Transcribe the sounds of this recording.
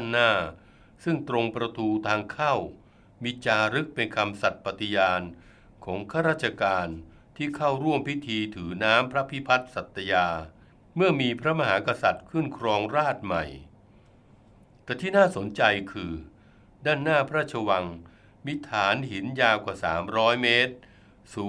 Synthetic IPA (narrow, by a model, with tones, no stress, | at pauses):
a˥˩˨nːaː˥˩ | sɯ˥˩ŋt̪ɾo˧ŋpɾa˧t̪ʰuː˧t̪ʰaː˧ŋkʰa˥˩w | miː˧t͡ɕaː˧ɾɯ˦˥k̚pe˧nkʰa˧msa˨˩t̪̚pa˨˧t̪i˧jaː˧n | kʰɔː˩˦ŋkʰaː˥˩ɾaː˥˩t̪̚t͡ɕʰa˧kaː˧n | t̪ʰiː˥˩kʰa˥˩wɾu˥˩əmpi˦˥t̪ʰiː˧t̪ʰɯː˩˦naː˦˥mpʰɾa˦˥pʰi˦˥pʰa˦˥t̪̚sa˨˩t̪ːa˧jaː˧ | mɯ˥˩ɐmiː˧pʰɾa˦˥ma˧haː˩˦ka˧sa˨˩t̪̚kʰɯ˥˩nkʰɾɔː˧ŋɾaː˥˩t̪̚ma˨˩j | t̪ɛː˨˩t̪ʰiː˥˩naː˥˩so˩˦nt͡ɕa˧jkʰɯː˧ | daː˥˩nːaː˥˩pʰɾa˦˥˩t͡ɕʰa˧wa˧ŋ | miː˧˥t̪ʰaː˩˦nhi˩˦njaː˧kwaː˨˩sa̰ː˩˦mɾɔː˦˥jmeː˦˥t̪̚ | suː˨˦